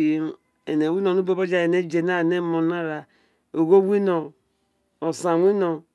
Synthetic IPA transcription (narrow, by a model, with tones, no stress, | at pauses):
ḛ˨ne˨wi˦no˨nu˦bo˦bo˦d͡ʒa˦e˨ne˦d͡ʒe˨na˦˨ne˦mo˨na˦ɾa˨ | o˨ɡo˦wi˦no˨ | o˨sa˨wi˦no˨